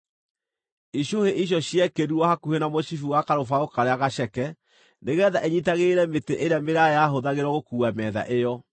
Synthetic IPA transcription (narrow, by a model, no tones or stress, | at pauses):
iɕoheʔiɕ̬jɔɕjɛkeɾuɔhakuhenamoʃifuwakaɾofaokaɾeaɣaɕɛkɛ | neɣɛːðaʔeɲitaɣeɾɛmeteʔeɾeameɾajaɦoðaɣeɾɔɣokuːamɛða̰ʔejɔ